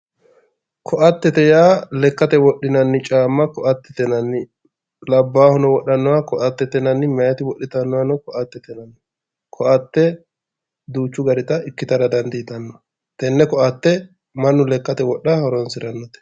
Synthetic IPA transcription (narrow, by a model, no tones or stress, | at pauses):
kʰɔʔɐt̪ːɛt̪ɛjaːlɛkːɐt̪ɛwɔɗːɪnɐnːɪt͡ʃʼaːmːɐkɔʔɐt̪ːɛt̪ɛnɐnːɪ | lɐbːaːhɔnɔwɔɗɐnːɔwakɔʔɐt̪ːɛt̪ɛnɐnːɪmɐjɐt̪ɪwɔɗːɪt̪ɐnːɔwanɔkɔʔɐt̪ːɛt̪ɛnɐnːɪ | kʰɔʔɐt̪ːɛ | d̪uːt͡ʃːʊɡɐɾɪt̪ɐɪkːɪt̪ɐdɐd̪ɐnd̪ɪɪt̪ɐnːɔ | t̪ɛnːɛkɔʔɐt̪ːɛ | mɐnːʊlɛkːɐt̪ɛwɔɗːɐhɔɾɔnsɪɾɐnːɔt̪ɛ̥